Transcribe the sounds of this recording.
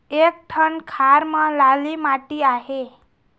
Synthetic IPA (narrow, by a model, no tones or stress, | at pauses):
ek̚ʈʰənkʰaɾmãlalimaʈiaɦe